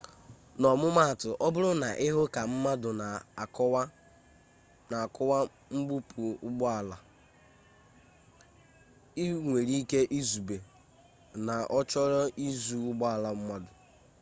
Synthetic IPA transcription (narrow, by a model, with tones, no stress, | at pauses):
nɔ˨mʊ˦ma˦a˨tʊ˨ʔɔ˦bʊ˦ɾʊ˦na˨ʔɪ˦ɦʊ˦ka˨m̩˦ma˦dʊ˨na˨kw | na˨kʊ˦wa˦ | ŋ͡m̩˦ɡ͡bu˦pu˨ʊ˦ɡ͡bɔ˦a˨la˨ | i˦ŋʷe˨ɾi˦ke˦ʔi˦zu˨be˨ | na˨ʔɔ˦t͡ʃɔ˦ɾɔ˦ʔi˦zu˦ʊ˦ɡ͡bɔ˦a˨la˦m̩˦ma˦dʊ˨